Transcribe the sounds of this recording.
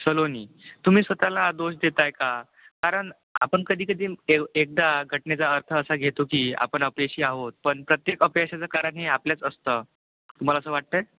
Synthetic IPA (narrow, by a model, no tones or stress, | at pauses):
səloniː | t̪um̤iːsʋət̪alad̪oɕd̪et̪ajka | kaɾəɳ | a̰pəɳkəd̪ʱiːkəd̪ʱiːeek̚d̪aɡʱəʈɳet͡saəɾt̪ʰəːsaɡʱet̪okiːa̰pəɳəpjaɕiːaɦot̪̚pəɳpɾət̪jekəpjaɕat͡sakaɾaɳeapljat͡səst̪ə | t̪um̤alaəsəʋaʈ̚t̪əj